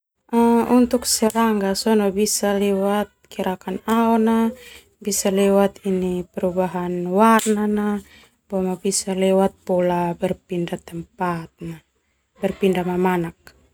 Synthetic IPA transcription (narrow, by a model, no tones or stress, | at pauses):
aunt̪uksɛɾaŋɡasɔnabisalɛwat̪̚kiɾakanaɔna | bisalɛwat̪inipɛɾubaɦanwarnana | buamabisalɛwat̪̚pɔlabɛrpindat̪ɛmpat̪̚na | bɛrpindamamanak̚